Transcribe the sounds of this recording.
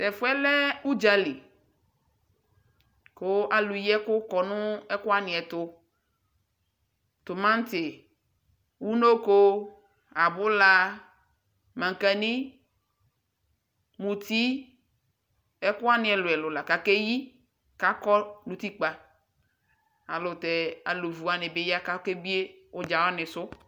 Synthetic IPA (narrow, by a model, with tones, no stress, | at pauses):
t̪ɛ˨fu˦ɛ˦lɛ˦u˦d͡ʒa˦li˨ | ko˦ʔa˨lu˨jɛ˦kʊ˦kɔ˨nũ˦ɛ˦kʊ˦a˦nĩ˨ɛ˨t̪ʊ˦ | t̪o˨mã˦n˦t̪ɪ˨ | wu˦no˦ko˦ | a˨bʊ˦la˦ | mã˨ŋ˨kɛ˨nĩ˦ | mũ˨t̪i˦ | ɛ˦kʊ˦a˦nɪ̃˨ɛ˨lʊ˨ɛ˨lʊ˨la˨ka˨kɛ˦ji˦ | ka˦kɔ˦nũ˦t̪i˦k͡pa˨ | a˨lʊ˨t̪ɛ˨a̰˨lo˨vu˨a˨nɪ̃˨be˦ja˦ka˦ke˦bi˦e˦wo˦d͡ʒa˨wa˦nɪ̃˨sʊ˦